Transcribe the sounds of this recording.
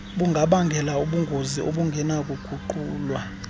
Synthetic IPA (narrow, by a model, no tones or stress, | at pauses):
ɓuŋɡʱaɓaŋɡʱɛlauɓuŋɡʱoziʔoɓuŋɡʱɛnak̬ʼuɡ̥ʱuǃuːlwa